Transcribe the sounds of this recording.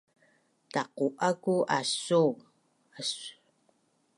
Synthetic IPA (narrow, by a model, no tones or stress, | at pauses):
taquʔakuʔasu | asu̥